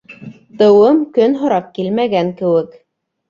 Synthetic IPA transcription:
t̪ɤ̆wɤmkɵnɦŏɾɑp̚kilmæɡæŋkɘ̆wɘk

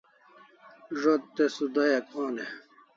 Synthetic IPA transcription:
ʐot̪ːesud̪ojɐkoːne

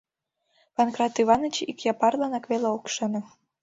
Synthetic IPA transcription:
pɑnkrɑt̪ːyβɑnə̆t͡ɕikjɑpɑrlɑnɑkβeleokʃɤ̆nɤ̆

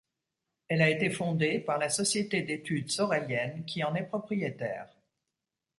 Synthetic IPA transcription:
ɛlaet̪efɔ̃d̪epaʁlasɔsjet̪ed̪et̪yd̪sɔʁɛljɛnkʲʰiɑ̃nɛpχɔpχijet̪ɛ̰ːʁ

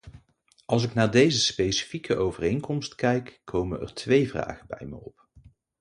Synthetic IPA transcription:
ɑlˠs̬ɪknaːɹdejzəspejsi̥fikʰəʔowvərejŋkɔmstkɛjkːʰowmənɛ̰ɹtʰʋejvra̰ːχənbɛ̰jmə̰jɔp

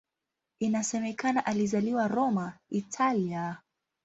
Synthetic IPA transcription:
inasɛmɛkanaʔalizaliwaɾɔmaitʰalia

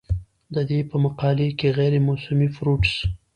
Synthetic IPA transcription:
d̪əd̪epəmaqɑlekeɣɛɾemʊsʊmifɾuʈs

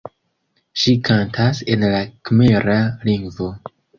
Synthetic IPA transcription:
ʃikʰantʰase̞nlakmeɾaliŋɡvo̞

